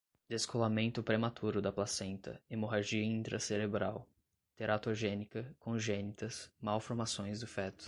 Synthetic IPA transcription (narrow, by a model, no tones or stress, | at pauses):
d̪̥eskolamẽnt̪ʊpɾemat̪ʰuɾʊd̪ɐplasẽnt̪ɐ̰emoɦaʒiɐĩnt̪ɾʔɐ̰seɾebɾaw | t̪eɾat̪oʒẽnikɐkʰõʒẽnit̪ɐsmawfoɾmasõj̃zd̪ʊfɛt̪ʊ̥